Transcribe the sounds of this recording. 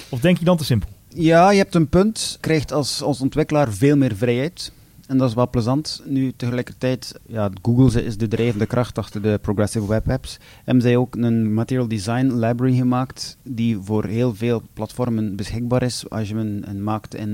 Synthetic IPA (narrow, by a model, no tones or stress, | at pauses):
ɔfdɛŋkjədɑntəsɪmpəlˠjaːjəɦɛp̚tənpɵntkrɛjxtɑlˠsɔnsɔntʋɪkəlaːrveːlˠmɪːrvrɛjɦɛjt | ɛndɑɪs̬ʋɛlˠpləzɑntnytəɣəlɛjkərtɛjtjaːɡuɡəlˠzəɪzdədreːvəndəkrʔɑxtɑxtərdəproɡrɛsɪvwɛpɛps | ɛ̰bənzɛjoːknənmatɪrjəlˠdizɑjnlajbɹəɹiɣəmaːktdivoːrɦeːlˠveːlˠplɑtfɔrmənbəsxɪɡ̚baːɾɪsɑ̰sjəənə̰nmaːktɪ̰n